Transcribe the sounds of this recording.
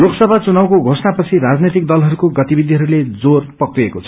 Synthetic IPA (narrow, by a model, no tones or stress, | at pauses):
loksʌbʱat͡sunawkoɡʱosnapʌt͡sʰiɾad͡znet̪ik̚d̪ʌlɦʌɾukoɡʌt̪ibid̪ʱiɦʌɾuled͡zorpʌkriekot͡sʰʌ